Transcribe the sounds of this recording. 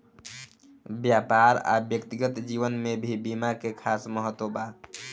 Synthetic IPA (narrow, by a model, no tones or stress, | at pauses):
bjapaɾa̰bjəkt̪iɡət̪d͡ʒiʋənmebʱibimakekʰasməɦət̪wəba